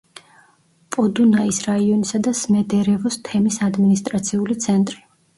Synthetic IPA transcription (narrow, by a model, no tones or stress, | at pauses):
pʼɔd̪unaisɾaiɔnisad̪asmɛd̪ɛɾɛvɔst̪ʰɛmisad̪minist̪ʼɾat̪sʰiulit̪sʰɛnt̪ʼɾi